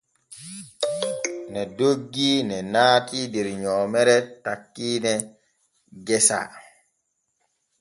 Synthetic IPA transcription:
nɛdoɡːinɛnaːtidɛɾɲɔːmɛɾɛtakːinɛ | ɡɛsa̰

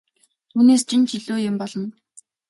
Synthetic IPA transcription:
t̪ʰuːneːst͡ɕʰint͡ɕʰiɮuːjɪmpɔɮɞ̆n

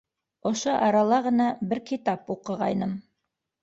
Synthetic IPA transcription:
ŏʃoʔɑɾɑlˠɑʁɤ̆nɑbɘɾkit̪ɑpuqɤ̆ʁɑjnɤm

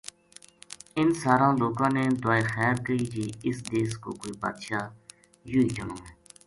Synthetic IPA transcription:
ɪnsaːɾãːloːkãːneːd̪ʊaːeːxɛːɾkəiːd͡ʒiːɪsd̪eːsko̰ːkoːiːba̰ːd̪ʃaː | juːiːd͡ʒənõːɦɛː

